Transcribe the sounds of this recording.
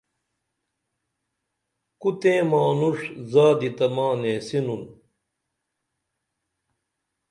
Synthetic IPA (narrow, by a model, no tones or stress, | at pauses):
kut̪ẽːmaːnuʂzaːd̪it̪ɐmaːnẽːsinun